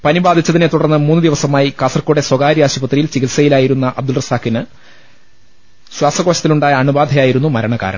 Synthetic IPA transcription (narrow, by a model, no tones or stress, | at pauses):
pɐnibaːd̪ʱit͡ɕːɐðinet̪uɽɐrnːɨmuːnːɨd̪iʋɐsɐmaːjikaːsɐrkːuːɽe̞swɐɡaːɾijaːɕubɐt̪rijilt͡ɕikilsɐjilaːjiɾunːɐʔɐ̰b̚d̪ulrɨsaːkːinɨ | ɕwaːsɐɣoːɕɐt̪ːiluɳɖaːjɐɐɳubaːd̪ʱɐjaːjiɾunːumɐɾɐɳɐka̰ːɾɐ̰ɳɐ̰m